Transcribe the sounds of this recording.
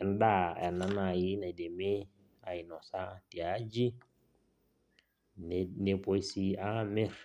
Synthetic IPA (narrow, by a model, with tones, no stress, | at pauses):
ɛnda˦ɛ̰˨nːa˦naji˦na˨idɛ˨mɛ | a˨i˨nɔsa˦ti˨ad͡ʒi˦ | nɛpɔisiamɛ˦ɾ